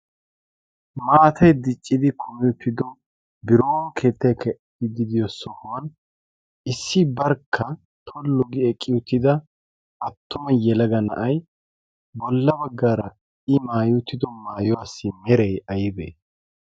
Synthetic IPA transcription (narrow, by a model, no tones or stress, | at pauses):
maːt̪ʰɐjd̪ɪt͡ʃʼːɪd̪ɪkʰɔmɪjʊt̪ːɪd̪ɔ | bɪɾoːnkʰe̞ːt̪ːɐjkɛ | ɪd̪ɪd̪ɪjɔsɔhwɐn | ɪsːɪbɐɾkʰːɐ | t̪ʰɔlːɔɡɪɛkʼːɪjʊt̪ːɪd̪ɐ | ɐt̪ʰːʊmɐjɛlɐɡɐnɐ̰ʔɐj | bɔlːɐbɐɡːaːɾɐ | ɪmaːjʊt̪ːɪd̪ɔmaːjɔwaːsːɪmɛɾɛjɐjɪbḛː